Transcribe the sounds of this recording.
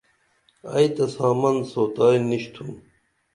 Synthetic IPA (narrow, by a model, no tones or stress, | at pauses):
a̰jt̪ɐsaːmɐnsot̪aːjniɕt̪ʰũː